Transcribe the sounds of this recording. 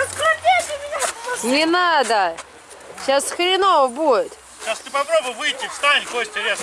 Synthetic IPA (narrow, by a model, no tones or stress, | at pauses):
əskɾodʲetʲɪmʲɪnʲanʲɪnad̪ə | ɕasxɾʲɪnovəbuɪt̪ | ʃast̪ɨpɐpɾobʊjvɨjtʲːɪfst̪anʲɡosʲtʲɪɾʲes